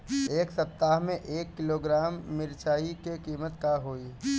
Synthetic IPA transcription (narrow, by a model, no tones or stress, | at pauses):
eːksɐp̚t̪aːɦmẽʔeːkːɪloːɡɾaːmːɪɾt͡ʃaːikekiːmət̪kaɦoːi